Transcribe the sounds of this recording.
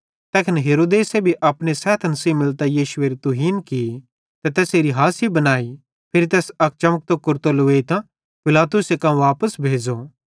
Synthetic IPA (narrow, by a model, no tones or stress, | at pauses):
t̪ɛːkʰɪnɦeːɾoːd̪eːsebʱiʔɐpɽ̃esɛːt̪ʰnɐsiːbmɪlt̪ajiːʃʊʋeːɾit̪ʊɦiːnki | t̪ɛt̪ɛːseɾiɦaːsibɐnaːi | pʰɪɾit̪ɛːsɐk̚t͡ʃɐmək̚t̪okʊɾt̪olʊʋeːit̪ã | pɪlaːt̪ʊsekãʋaːpəsbʱeːd͡ʒo